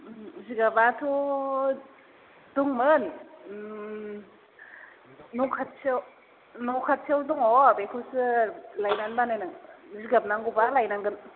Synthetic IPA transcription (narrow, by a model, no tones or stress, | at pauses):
ziɡabatʰu | duŋmɯn | nɔkʰat̚sʰiew | nokʰat̚sʰiawduŋɔbekʰusɯlajnanbanajnɯŋziɡap̚naŋɡubalajnaŋɡɯn